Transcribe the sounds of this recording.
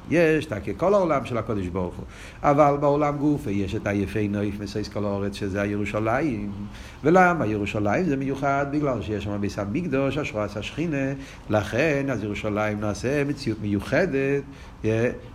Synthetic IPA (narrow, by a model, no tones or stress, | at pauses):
jɛʃtakekolaolamʃɛlakod̪iʃboʁχṵ | avalbaɔlamɡufejɛʃɛtajɛfejnoɪfmisoɪskolaoʁɛt͡sʃezɛajeʁuʃalajim | velamajɛʁuʃalajimzɛməjuχad̪̚bɪɡlalʃejɛʃamabejsamiɡd̪oʃaʃʁoashaʃχine | laχɛnazjɛʁuʃalajimnaːsɛmet͡sijutməjuχɛdet | jɛ